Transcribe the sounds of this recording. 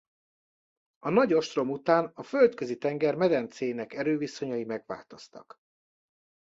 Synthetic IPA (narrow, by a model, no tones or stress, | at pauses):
ɒnɒɟo̞ʃt̪ro̞mut̪aːnɒfø̞lt̪køzit̪ɛŋɡɛrmɛd̪ɛnt̪seːjnɛkɛɾøːviso̞ɲɒjimɛɡʋa̰ːlt̪o̞st̪ɒ̰k